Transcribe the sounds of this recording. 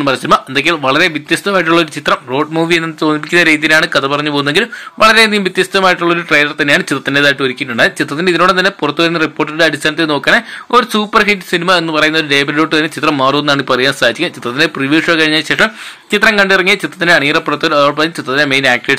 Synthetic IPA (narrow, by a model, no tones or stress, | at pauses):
nːɨpɐrɐsinmaʔend̪ekːɡeiʋɐɭɐɾe̞ʋit̪jɐst̪ɐmaːjiʈ̬ːuɭːɐoɾut͡ɕit̪rɐmro̞ːɖmuːʋienːɨt͡ɕo̞ːnip̬ːikʲːunːɐɾeːt̪ːilaːɳɨkɐðɐpɐrɐɲːupoːunːeŋɡilʋɐɭɐɾe̞nijumʋit̪jɐst̪ɐmaːjiʈːuɭːɐo̞ɾuʈrejlɐrt̪ɐnːejaːɳɨt͡ɕit̪rɐt̪ːinde̞ːðaːjʈːɨʋɐɾikʲːiʈːuɳɖɨt͡ɕit̪ːrɐt̪̬ːineiðino̞ːɽet̪ɐnːepurɐt̪ːuʋɐɾunːɐripːoːʈːɐɾɽeɐɽist̪aːnɐt̪̬ːeno̞ːkːaneo̞ɾusuːpːɐrhiʈːsinimɐe̞nːɨpɐrɐjunːɐoɾuɖeːbɐɾɾo̞ːʈːɨt̪ɐnːet͡ɕit̪rɐmːaːronːaːɳipɐrijaːnsaːit͡ɕːikʲːɐt͡ɕit̪rɐt̪indepriʋiːʂɐkɐɻiɲːaːlɕe̞ːʂɐm | t͡ɕit̪rɐŋkɐɳɖirɐŋːit͡ɕit̪ːrɐt̪ːineɐɳiːrɐpːirɐt̪ːoɾɐðaːʈːpɐɾɐɲːmt͡ɕit̪rɐt̪ːindeme̞jnaːk̚ʈeːɖ